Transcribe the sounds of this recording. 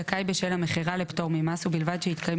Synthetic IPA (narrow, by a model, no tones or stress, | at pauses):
akajbeʃelhameχiʁalept̪o̞ʁmimasubilvad̪ʃehit̪kaje